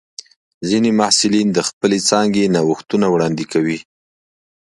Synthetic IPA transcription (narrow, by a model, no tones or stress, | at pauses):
zinemahsɪlind̪əxpəlet͡sɑŋɡenawəxt̪unawɽɑnd̪ɪkawi